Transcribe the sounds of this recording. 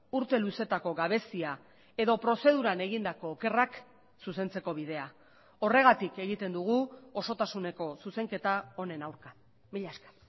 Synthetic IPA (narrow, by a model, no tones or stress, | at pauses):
uɾt̪e̞luse̞t̪ako̞ɣaβ̞e̞sia | e̞ðo̞pɾo̞se̞ð̞uɾane̞ɣind̪ako̞ːke̞rak | suse̞nt͡se̞ko̞βiðe̞a | o̞re̞ɣ̞at̪ike̞ɣ̞it̪e̞nd̪uɣ̞uoso̞t̪asune̞ko̞suse̞ŋke̞t̪ao̞ne̞nawɾka | miʎaskḁ